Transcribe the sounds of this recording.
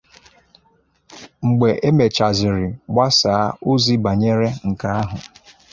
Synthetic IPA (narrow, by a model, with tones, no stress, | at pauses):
ŋ͡m̩˨ɡ͡be˨ʔe˦me˨t͡ʃa˨zɪ˨ɾɪ˨ɡ͡ba˦sa˨a˦o˦zi˦ba˨ɲe˦ɾe˦ŋ̩˨ka˦a˦ɦʊ˨